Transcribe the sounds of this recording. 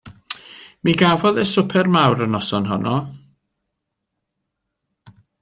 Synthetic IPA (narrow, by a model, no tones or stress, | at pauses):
miɡavɔðɛsʊpʰɛrmawɾənɔsɔnɦɔnʔɔ